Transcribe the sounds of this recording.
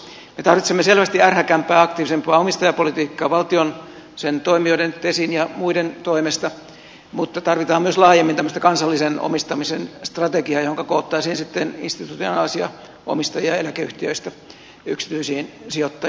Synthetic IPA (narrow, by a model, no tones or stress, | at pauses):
met̪ɑrʋit̪semːeselʋæst̪iærhækæmpˑæːɑk̚t̪iːʋisempˑɑːomist̪ɑjɑpolit̪iːkːɑːʋɑlt̪ion | sent̪oimioidenit̪ːesinjɑmuident̪oimest̪ɑ | mut̪ːɑt̪ɑrʋit̪ɑːmmyøslɑːjemːint̪æmːøst̪ɑkɑnsɑlːiseno̰mist̪ɑmisenst̪rɑt̪ekiɑjohoŋkɑkoːt̪ːɑisiːnsit̪ːenḭnst̪it̪ut̪ionɑːlsiɑ̰ | ʔo̰mist̪ɑjiɑelækeyht̪iø̰ist̪æ | yksi̥t̪yisiːnsiot̪ːɑ